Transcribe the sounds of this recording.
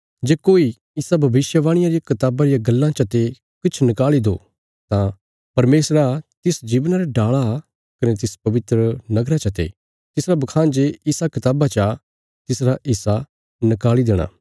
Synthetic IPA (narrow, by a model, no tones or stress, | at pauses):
d͡ʒeːkoːi | ɪsabʱɐbɪʃjəʋãːɽ̃ɪjãɾijakɐt̪aːbaɾɪjaɡɐlːãt͡ʃɐt̪e | kɪt͡ʃʰnɪkaːlid̪o̰ː | t̪ã | pɐɾmeːsɾat̪ɪsd͡ʒiːʋnaɾeɖaːɭa | kɐnɛt̪ɪspɐʋɪt̪ɾənɐɡɾat͡ʃɐt̪ḛ | t̪ɪsɾabɐkʰãːnd͡ʒeːɪsakɪt̪aːbat͡ʃa | t̪ɪsɾaʔɪsa | nɪkaːlid̪eːɽ̃a̰ː